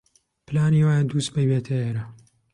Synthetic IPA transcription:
pɨlaːniwaːjand̪uːsbɐjbeːt̪ʰɐeːɾɐ

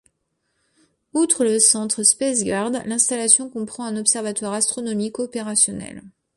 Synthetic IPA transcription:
ut̪χələsɑ̃t̪χspɛsɡaʁd̪lɛ̃st̪alasjɔ̃kɔ̃pχɑ̃ɛ̃nɔpsɛʁvat̪waʁast̪χɔnɔmikɔpeʁasjɔnɛ̰l

